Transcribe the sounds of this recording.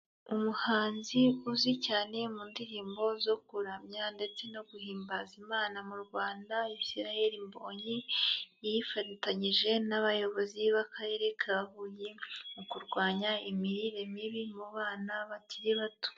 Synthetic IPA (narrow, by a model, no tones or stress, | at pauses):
umuhaːnziuzicaːne̞muːndiɾiːmbo̞zo̞kuɾamɲande̞t͡se̞no̞ɡuhiːmbazimaːnamuɾɡwaːndaisiɾahe̞ɾimbo̞ːɲi | jifatitaɲiʒe̞naβajo̞βo̞ziβakʰaɾe̞ɾe̞kʰaβahuːjemukuɾɡwaːɲaimiɾiɾe̞miβimuβaːnaβatiɾiβato̥